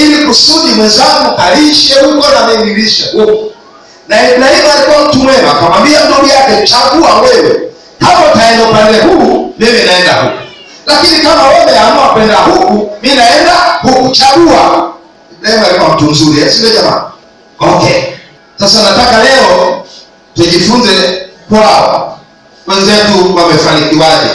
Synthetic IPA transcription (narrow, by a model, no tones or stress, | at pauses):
ilikusuɗimwɛnzaŋɡukaliʃɛhukɔnamɛŋɡiɾiswɛhuku | naɛkunahimualikuam̩tumwɛmakamambiam̩dɔɗijakɛt͡ʃaɡuawɛwɛ | hapɔtaɛndaupandɛhuːmiminaɛndahṵku | lakinikamawɛmɛamuwapɛndahukuminaɛndahukut͡ʃaɡua | lɛmalikwam̩tum̩zuɾiɛsinɛd͡ʒama̰ | ɔkɛ | sasanatakalɛɔ | twɛʄifunzɛkwaa | wɛnzɛtuwamɛfanikiwad͡ʒɛ